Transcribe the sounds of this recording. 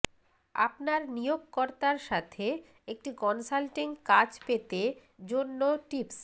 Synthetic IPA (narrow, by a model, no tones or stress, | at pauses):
a̰pnaɾnijoɡkɔɾt̪aɾʃat̪ʰe | ek̚ʈikɔnsalʈiŋkad͡ʑpet̪ed͡ʑonːoʈips